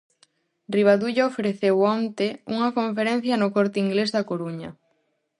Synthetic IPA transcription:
rriβ̞aðuʎaofeɾeθewɔnt̪euŋɐkoɱfeɾẽn̟θjɐnʊkɔɾt̪ɪiŋɡlezðɐkoɾuɲɐ

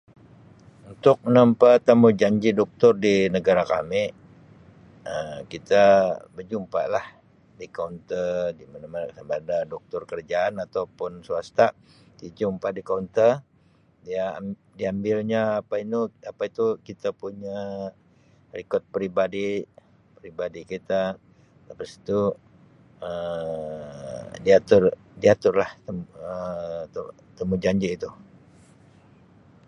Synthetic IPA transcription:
unt̪ʊk̚mənampat̪ːamud͡ʒaɲd͡ʒidɔk̚t̪ʊrdinəɡaɾaka̰mɪ | əmkit̪abərd͡ʒumpa̰lah | dikaunt̪ədimanamasambadadɔk̚t̪ʊrkərd͡ʒaːnat̪awpʊnsuast̪a | did͡ʒumpadikaunt̪ər | dia | diambɪlɲaːpainuapait̪ukit̪apuɲa | rikɔt̪̚pɾibadi | pɾibadikit̪a | lapasi̥t̪u | ə | diat̪ʊr | diat̪ʊrlaht̪əmət̪ə | t̪əmud͡ʒaɲd͡ʒiːt̪u

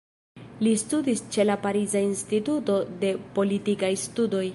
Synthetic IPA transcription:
listudist͡ʃe̞lapaɾizainstituto̞de̞po̞litikajstudo̞j

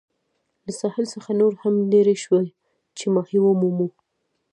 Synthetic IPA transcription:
lasɑhɪlsəxanoɾhamneɾeʃwe | t͡ʃemɑhiwomumu

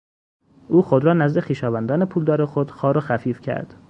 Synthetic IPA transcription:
ʔuːxod̪ɾɒːnæzd̪e̞xiːʃɒːvænd̪ɒːne̞pʰuːld̪ɒːɾexod̪̥xɒːɾoxæfiːfcʰæ̰ɾd̪̥

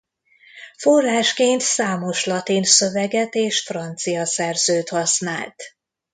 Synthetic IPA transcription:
fo̞rːaːʃkeːnt̪saːmo̞ʃlɒt̪iːnsø̞vɛɡɛt̪eːʃfrɒnt̪sijɒsɛrzøːt̪hɒsna̰ːlt̪

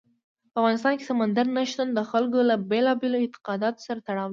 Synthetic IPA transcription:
paːfɣɑnɪst̪ɑnke̥samand̪aɾnaʃt̪and̪əxalkolabelɑbeloɪnt̪ɪ̥qɑd̪ɑt̪o̥saɾat̪aɽɑw̪

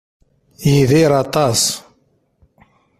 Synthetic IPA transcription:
jiðiɾˤɑt̪ˤɑs

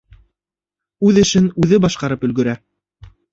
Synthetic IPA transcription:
ʉðɘ̆ʃɘnʉðɘbɑʃqɑɾɤpɵ̆lɡɵ̆ɾæ

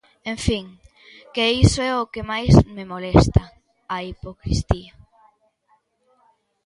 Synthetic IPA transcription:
ẽɱfiŋ | keisoɛokemajsmemolɛst̪ɐ | ɐipokɾḭst̪ia

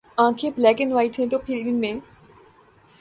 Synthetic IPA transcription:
ãːkʰeːblɛːkɪnʋaːit̪ʰẽt̪oːpʰɪɾɪnmẽː

